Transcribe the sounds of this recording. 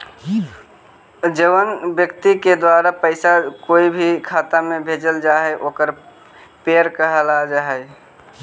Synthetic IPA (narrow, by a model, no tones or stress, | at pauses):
d͡ʒəwənbjəkt̪iked̪waɾapəɪsakoibʱikʰat̪amebʱed͡ʒəld͡ʒaɦɛʔoːkəɾ | peəɾkəɦəlad͡ʒaɦɛj